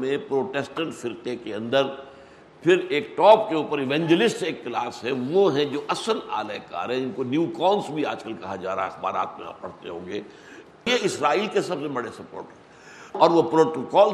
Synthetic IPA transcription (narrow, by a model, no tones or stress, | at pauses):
mẽpɾoːʈɛːsʈə̃ɳʈfɪɾqekeɐ̃nd̪əɾ | pʰɪɾeːkʈɔːp̚keuːpəɾɪʋɛ̃ːɲd͡ʒəlɪsʈseːkːlaːsɦɛʋoɦɛ̃d͡ʒoːʔɐsəla̰ːlaka̰ːɾɦɛ̃ɪnkonjuːkɔːnsbʱia̰ːd͡ʒkəlkɐɦad͡ʒa̰ːɾa̰ːɦeɪxba̰ːɾa̰ːt̪mḛ̃a̰ːpːɐɽ̤t̪eɦõ̰ːŋɡeː | jeɪsɾaːiːlkesɐbsebɐɽesɐpo̰ːɾʈɦɛ̃ | ɔːɾʋopɾoːʈokɔːl